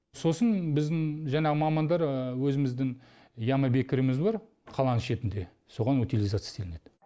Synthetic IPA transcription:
so̞sənbɪzd̪ɪŋʒɑɴɑʁəmɑmɑnd̪ɑɾwɵzɪmɪzd̪ɪŋ | jɑmɑbe̞kʲɪɾɪmɪzbɑɾ | qʰɑlˠɑnəʃe̞t̪ɪnd̪e̞ | so̞ʁɑnut̪ʲilˠijzat̪sj̥st̪ʰelɪne̞d̪ɪ

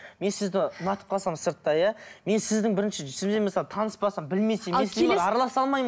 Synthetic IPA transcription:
me̞nsɪzd̪ɪʊnɑt̪ə̥p̚qʰɑlˠsɑməəɾt̪ːɑjɑme̞nsɪzd̪ɪŋbɪɾɪnʃɪʒʏsɪmzemɪsɑlˠət̪ʰɑnəspɑsɑmbɪlme̞semɑɾɑlˠɑsɑlˠmɑjm

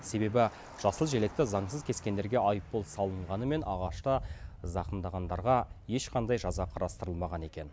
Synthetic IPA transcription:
se̞be̞bɪ | ʒ̥ɑsəlˠʒele̞k̚t̪ɪzɑɴsəzkʲʰe̞skʲe̞nd̪e̞ɾɡʲe̞ʔɑjəp̚bo̞lˠsɑlˠəɴʁɑnəme̞nʔɑʁɑʃt̪əzɑqənd̪ɑʁɑnd̪ɑɾʁɑje̞ʃqʰɑnd̪ɑjʒɑzɑqʰɑɾɑst̪əɾəlˠmɑʁɑne̞kʲe̞n

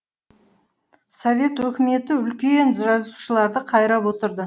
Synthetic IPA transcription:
sovʲe̞t̪wɵkʲɪme̞t̪ɪʏlkʲe̞nʒɑzuʃəlˠɑɾd̪əqʰɑjɾɑpwo̞t̪əɾd̪ə

